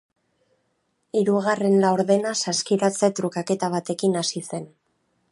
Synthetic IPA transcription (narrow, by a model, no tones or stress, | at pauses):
iɾuɣare̞nlawɾðe̞nasaskiɾat͡set̪ɾukake̞t̪aβ̞at̪e̞kinasise̞n